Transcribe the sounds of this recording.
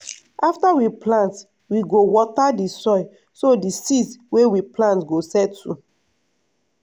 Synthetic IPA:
aftawiplãnt | wiɡowɔtadisɔɪ | sodisitwewiplãntɡosɛtːṵ

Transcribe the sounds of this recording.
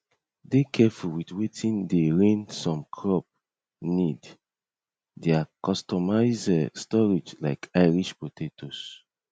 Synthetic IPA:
dekʰɛfulwitwetʰĩndeɹẽnsɔ̃mkʰɹɔp̚ | nid | deakɔstɔmaɪzɛstɔɹid͡ʒlaɪkʰaɪɹiʃpotʰetʰos

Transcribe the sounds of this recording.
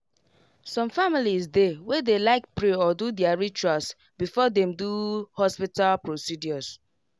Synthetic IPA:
sɔ̃mfamilisdewɛdelaɪkpɹeɔdudjaɹit͡ʃas | bifɔdɛ̃mduhɔspitalpɹosidjɔs

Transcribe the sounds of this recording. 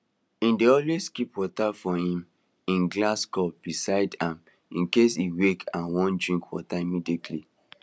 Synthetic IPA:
ĩndeɔlweskipwɔtafɔhĩm | ĩnɡlaskɔp̚b̥isaɪdãm | ĩnkesiwekʰãnwɔ̃ndɹĩŋkwɔtaimidikʰli

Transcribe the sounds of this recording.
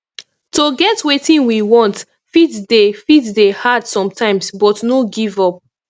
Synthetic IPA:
toɡɛtwetĩnwiwɔ̃nt | fitdefitdehadsɔ̃mtʰãɪ̃msbɔtnoɡivɔp̚

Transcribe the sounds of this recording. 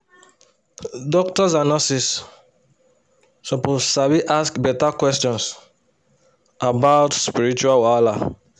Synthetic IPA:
dɔk̚tɔzanɔsis | sɔpozsabiʔaskbɛtakwɛstɔ̃ns | abaʊtspiɹit͡ʃualwala

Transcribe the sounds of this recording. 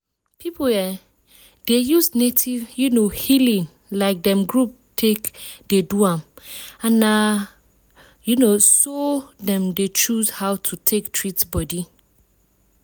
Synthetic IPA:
pʰipoɛ | d̥ejusnetʰivjunohilĩŋ | laɪk̚dɛ̃mɡɹup̚tʰekd̥eduãmãna | junosodɛ̃mdet͡ʃuzhawtʰutʰektʰɹitsbɔdi

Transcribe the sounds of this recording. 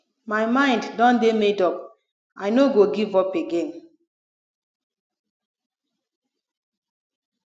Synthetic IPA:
majmãɪ̃nddɔ̃ndemedɔp | ajnoɡoɡivɔpeɡẽn

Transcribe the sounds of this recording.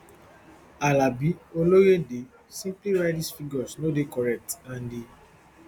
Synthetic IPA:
alabiolojede | sĩmpliɹaɪdisfiɡɔsnodekɔɹɛk̚tãndi

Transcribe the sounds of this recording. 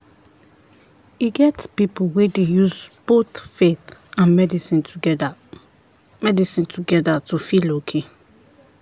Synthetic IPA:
iɡɛtspiplwedejuzb̥oθfeθãnmɛdisĩntʰuɡɛ | mɛdisĩntʰuɡɛdatʰufilokʰe

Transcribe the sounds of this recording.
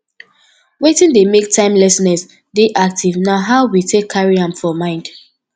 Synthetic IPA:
wetĩndemek̚tʰãɪ̃mlɛsnɛs | deʔak̚tivnaɦaʊwitʰekʰːaɹiãmfɔmãɪ̃nd̥

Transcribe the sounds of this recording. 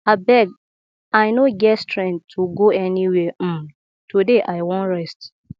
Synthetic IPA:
abɛɡ̚ | aɪnõɡɛtstʰɹɛ̃ntʰːuɡoɛniwɛm̩ | tʰudeʔaɪwõnɹɛst

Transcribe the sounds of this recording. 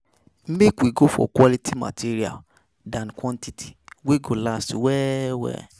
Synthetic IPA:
m̩mekwiɡofɔ̰kwɔlitʰima̰tʰiɾia̰l | dãnkwɔ̃ntitʰi̥weɡolastiwɛwɛ̰

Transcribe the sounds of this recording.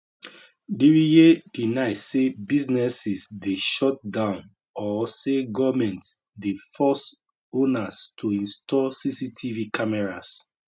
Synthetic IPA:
diɹijedinaɪssebiznɛsisdeʃɔt̚dãʊ̃n | ɔseɡɔvmɛ̃nt | defɔs | onastʰuĩnstʰɔsisitʰivikamɛɹas

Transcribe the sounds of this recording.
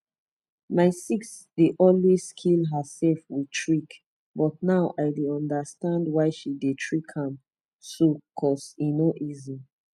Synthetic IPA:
maɪsiksdeʔɔlweskʰilɦəsɛlfwitʰɹik | bɔtnaʊʔaɪdeɔ̃ndəstãndwaɪʃidetʰɹikhãm | sokʰɔsinoʔizi

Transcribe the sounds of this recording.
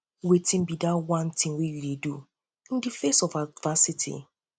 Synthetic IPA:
wetʰĩnbidawãntĩŋwejuledu | ĩndifesɔvadvasitʰḭ

